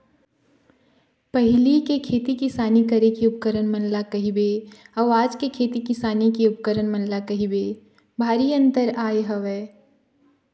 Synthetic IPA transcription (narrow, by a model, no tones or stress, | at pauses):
pɐɦɪlikekʰeːt̪ikɪsaːnikəɾekiʊp̚kəɾənmə̃nlakɐɦibeɐʋaːd͡ʒkekʰeːt̪ikɪsaːnikiʊp̚kəɾənmənlakɐɦibe | bʱaːɾiə̃nt̪əɾaːjɦɐʋɛː